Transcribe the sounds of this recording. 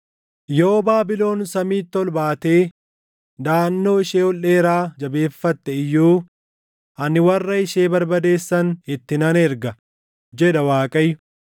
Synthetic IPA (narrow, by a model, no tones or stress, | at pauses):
joːbaːbɪlo̞ːnsɐmiːt̪ːɔlbaːt̪e̞ː | d̪aːnːo̞ːɪʃeːɔlːe̞ːɾaːd͡ʒɐbe̞ːfːɐt̪ːɛɪjːuː | ʔɐnɪwɐrːɐɪʃeːbɐɾbɐd̪e̞ːsːɐnɪt̪ːɪnɐnɛɾɡɐ | d͡ʒɛᶑɐwaːkʼɐjʊ̥